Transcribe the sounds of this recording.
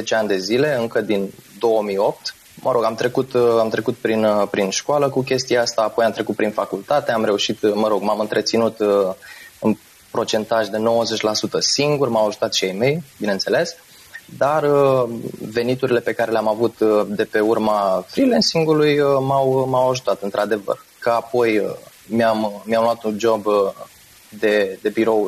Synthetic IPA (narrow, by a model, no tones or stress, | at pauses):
zet͡ʃeand̪e̞zile̞ɨŋkəd̪ind̪o̞wəmijo̞p̚t̪ | mʔəɾo̞ɡamt̪ɾe̞kut̪amt̪ɾe̞kut̪̚pɾinpɾinʃkaləkuk̬ʲe̞st̪iaast̪aːpo̞jamt̪ɾe̞kut̪̚pɾinfakult̪at̪e̞amɾe̞uʃit̪məɾo̞ɡmamɨnt̪ɾe̞t̪sinut̪ | ɨn | pɾo̞t͡ʃe̞nt̪aʒd̪e̞no̞wəze̞t͡ʃʲlasut̪əsiŋɡurmawaʒut̪at̪ʃiejme̞jbineɨnt̪se̞le̞s | d̪arə | ve̞nit̪uɾile̞pe̞kaɾe̞leamavut̪d̪e̞pe̞urmafɾilensiŋɡulujəmawmawaʒut̪at̪ɨnt̪ɾad̪e̞və̰rkəapo̞jəmjammjamluat̪und͡ʒo̞bə | d̪e̞d̪e̞biɾo̞w